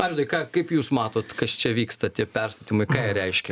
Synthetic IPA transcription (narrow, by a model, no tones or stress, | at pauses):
ɑːɾʲɪnɐɪkɑːkɐɪpjuːsmɑːt̪oːt̪kɐst͡ʃʲɛʋʲiːkst̪ɐt̪ʲiɛpʲɛrst̪ɐt̪ʲiːmɐɪkɑːjɛɾʲɛɪʃʲkʲɛ